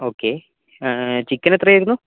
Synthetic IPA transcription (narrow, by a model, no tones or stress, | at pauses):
o̞ːkːeː | t͡ɕikːɐnet̪rɐjajiɾunːu